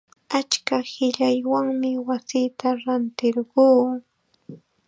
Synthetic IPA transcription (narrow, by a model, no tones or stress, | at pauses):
at͡ʃkahɪʎajwaŋmɪwasiːt̪aɾant̪ɪɾɢuː